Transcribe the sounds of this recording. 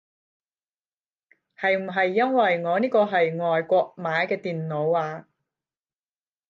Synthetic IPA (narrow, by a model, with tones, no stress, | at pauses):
hɐ˨jm̩˨˩ɦɐ˨jːɐ˥nwɐ˨jŋɔː˨˧niː˥kɔː˧ɦɐ˨jŋɔː˨jkʷɔː˧k̚maː˨˥jkɛː˧t̪iː˨nno˨˧waː˧